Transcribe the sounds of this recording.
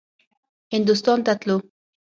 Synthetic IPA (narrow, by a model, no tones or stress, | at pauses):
ɪnd̪ust̪ɔnt̪at̪lu